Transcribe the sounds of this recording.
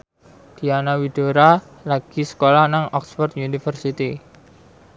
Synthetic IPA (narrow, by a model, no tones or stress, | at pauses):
d̪̥i̤anawid̪̥o̤ɾa | laɡ̥i̤sə̥kolahnaŋɔksfɔrt̪junifərsit̪i